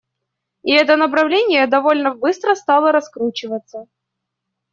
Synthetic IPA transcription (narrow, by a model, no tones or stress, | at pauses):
ɪɛt̪ənəp̬ɾɐvlʲenʲɪjəd̪ɐvo̞lʲnəbɨst̪ɾəst̪alˠəɾɐskɾut͡ɕɪvət̪sːə